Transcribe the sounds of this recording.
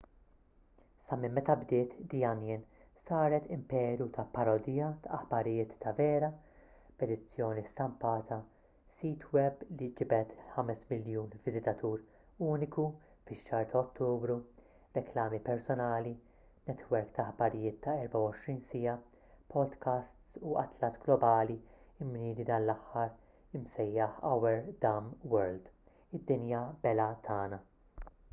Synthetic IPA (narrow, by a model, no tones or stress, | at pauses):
sɐmɪmːɛt̪ɐbd̪ɪːt̪d̪ijɐnjɪn | sɐːɾɛt̪ɪmpɛːɾjut̪ʰɐpɐɾɔd̪iːjɐt̪ɐɐħbɐɾɪjɪːt̪ːɐvɛːɾɐ | b̥ɛd̪ɪt͡sːjɔːnist̪ɐmpɐːt̪ʰɐ | siːt̪ʰwɛblid͡ʒɪbɛt̪ħɐmɛsmɪljuːnvɪzɪt̪ɐt̪ʰuːɾ | uːnɪku | fɪʃːɐːɾt̪ʰɐɔt̪ːuːbɾu | ɾɛklɐːmipɛɾsɔnɐːli | nɛt̪wɛɾkt̪ɐħbɐɾɪjɪːt̪ːɐɛɾbɐwɔʃɾiːnsɪjɐ | pʰɔd̪kʰɐst̪suɐ̰t̪lɐt̪ɡlɔbɐːli | ɪmːnɪːd̪id̪ɐːnlːɐħːɐɾ | ɪmsɛjːɐħɐ̰wɛɾd̪ɐmwɛɾld̪ | ɪd̪ːɪnjɐb̥ɛlɐt̪ʰɐːnɐ